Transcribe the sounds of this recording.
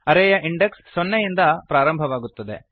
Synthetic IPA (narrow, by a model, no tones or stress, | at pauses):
ɐɾɛjɐʔiɳɖeksːonːejind̪ɐpɾaːɾɐmbʱɐʋaːɡut̪ːɐd̪ḛ